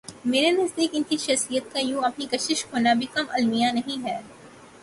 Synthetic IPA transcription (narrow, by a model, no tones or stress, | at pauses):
meːɾenɐzd̪iːkɪnkiʃɐxsijət̪̚kajõːɐpnikɐʃɪʃɦoːnabʱikɐmɐlmijanɐɦĩɦɛː